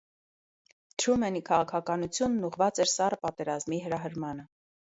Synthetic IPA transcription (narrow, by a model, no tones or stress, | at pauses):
t̪ʰɾumɛnikʰɑʁɑkʰɑkɑnut͡sʰjunːuʁvɑt͡sɛɾsɑrpɑt̪ɛɾɑzmiɦəɾɑɦəɾmɑnə